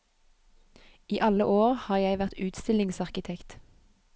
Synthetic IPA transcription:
iːʔɑləʔoːʁhɑːjæɪʋæʁt̪ʉːt̪st̪ɪlɪŋsɑʁkɪt̪ʰɛkt̪

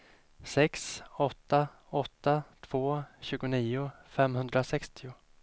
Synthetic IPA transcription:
sɛksɔt̪ːa | ɔt̪ːat̪ʰv̥oːɕʉ̟ːɡʊniːʊfɛmhɵnd̪ɾasɛkst̪ʰɪʊ

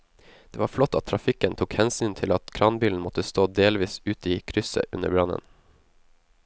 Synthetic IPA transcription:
d̪̥eːʋɑːɾflɔt̪ːɑt̪ʰːɾɑfɪkənt̪ʰuːkhɛnsyːnt̪ʰɪlɑt̪kʰɾɑːnbiːln̩mɔt̪əst̪oːd̪eːlʋiːsʉːt̪iːkʰɾʏsə̰ʔʉnə̰ɾbɾɑnə̰n

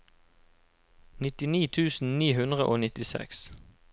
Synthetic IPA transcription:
nɪt̪ɪniːt̪ʰʉːsn̩niːɦʉnd̪ʁəʔoːnɪt̪ɪsɛ̰ks

